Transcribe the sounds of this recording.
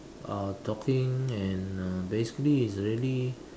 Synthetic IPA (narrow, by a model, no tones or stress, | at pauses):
ʔatʰɔkʰɪ̃ŋɛ̃nabesi̥kliːsɹili